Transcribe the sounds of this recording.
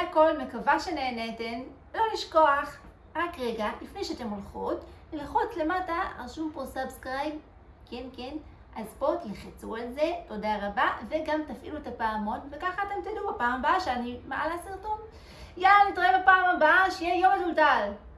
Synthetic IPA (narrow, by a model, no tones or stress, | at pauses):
ako̞lmekavaʃe̞ne̞ːneten | lo̞liʃko̞aχ | ʁakʁeɡalifne̞jʃeate̞molχotlelχotle̞mataa̰lʃumposabskʁajb | kʰenken | ʔazpotjaχit͡sualze̞to̞daʁabave̞ɡamtafʔiluetapaamo̞tve̞kaχaːte̞mtadubapaːmabaʃeanimaʔalasiʁtum | jaanit̪oevapaːmabaaʃejejo̞mazultal